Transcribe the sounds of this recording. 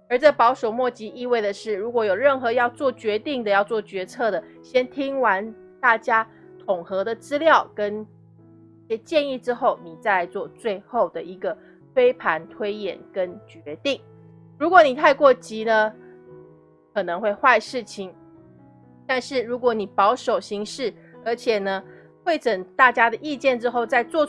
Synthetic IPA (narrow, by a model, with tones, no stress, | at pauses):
ə˞˧˥t͡sə˥˩pɑ˧˥ʊʂo˨˩ʊmwɔ˥˩t͡ɕi˧˥ʔi˥˧we˥˩ɪd̪ə˩ʂɻ̩˥˩ɻu˧˥kwɔ˧˥˦jo˨˩ʊɻə˥˩nxɤ˧˦jɑ˥˧ʊt͡swɔ˥˩t͡ɕɥɛ˧˥t̪i˥˩ŋd̪ə˨jɑ˥˧ʊt͡swɔ˥˩t͡ɕɥɛ˧˥t͡sʰɤ˥˩d̪ə˩ɕjɛ˥nt̪ʰi˥ŋwa˧˦n | t̪a˥˩t͡ɕja˥ | t̪ʰʊ˨˩ŋxɤ˧˥d̪ə˨t͡sɹ̩˥ljɑ˥˩ʊkə˦˥n | i˩ɕjɛ˥t͡ɕjɛ˥˧ni˥˧ʈ͡ʂɻ̩˥xo˥˨˩ʊni˨˩t͡sa˥˧ɪt͡swɔ˥˧t͡swe˥˧ɪxo˥˩ʊd̪ə˩ʔi˧˥ɡə˨ | t̪ʰwe˥ɪpʰa˧˥nt̪ʰwe˥ɪjɛ̰˨˩nkə˦˥nt͡ɕɥɛ˧˦t̪i˥˨˩ŋ | ɻu˧˥kwɔ˧˦ni˨˩t̪ʰa˥˧ɪkwɔ˥˩t͡ɕi˧˥nə˧ | kʰɤ˨˩nɤ˦ŋxwe˥˧ɪxwa˥˧ɪʂɻ̩˥˩t͡ɕʰi˧˩ŋ | t̪a˥˧nʂɻ̩˥˩ɻu˧˥kwɔ˧˥ni˨˩pɑ˧˥ʊʂo˨˩ʊɕi˧˥ŋʂɻ̩˥˩ | ə˞˧˥t͡ɕʰjɛ˨˩nə˦ | tʰwe˥˩ɪʈ͡ʂə˨˩nt̪a˥˩t͡ɕja˥d̪ə˨ʔi˥˧t͡ɕjɛ˥˩nʈ͡ʂɻ̩˥xo˥˧ʊt͡sa˥˧ɪt͡swɔ˥˧